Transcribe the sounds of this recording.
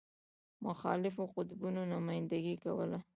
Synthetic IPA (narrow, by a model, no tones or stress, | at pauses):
mʊxɑ̰lɪfoqʊt̪bunonamɑjɪnd̪aɡikawəla